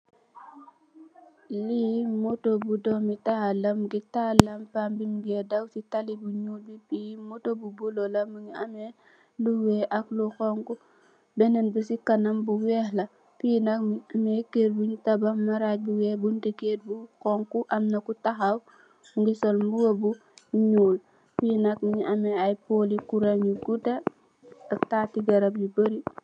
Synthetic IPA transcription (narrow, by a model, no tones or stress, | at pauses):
limotobudɔmitahalɐmɡitalɐmpambimɡɛdawsitalibuɲuːl̚bipimotobubulolɐmuŋiɐme | luwɛːʔakluxɔŋku | bɛnɛnbusikɐnɐmbuwɛhlɐ | pijnɐkmekeɾbuɲtɐbɐmːɐɾac̚buwɛːbuntiket̚buxɔŋkuʔɐmnɐkutɐxaw | uŋɡisɔlmuwɐbu | ɲuːl | pinɐk̚miɲiʔɐmeajpoːlikuɾaɲuɡutɐ | ɐktaːtiɡɐɾɐp̚jubəɾi